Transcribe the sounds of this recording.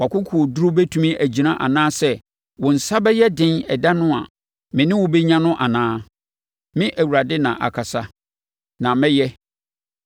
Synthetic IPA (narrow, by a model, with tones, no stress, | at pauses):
wa˨kʰʊ˦kʰu˨o˨du˦ɾʊ˦bɛ˦tʰu˦mĩ˦ʔæ˨d͡ʑi˨nã˦ʔa̰˨nãː˦sɛ˦ | wɔ̃˨n̩˨sa˦bɛ˦jɛ˦dɪ̃˦nɛ̰˨da˦nʊ̃˦a̰˨ | mɪ̃˨nɪ̃˦wʊ̃˨be˦ɲã˦nʊ̃˦ʔa˨nãː˦ | mɪ̃˦ʔæ˨wu˨ɾa˨dɪ˦nã̰˨ʔa̰˨kʰa˨sa˦ | nã˨mɛ̃˦jɛ˦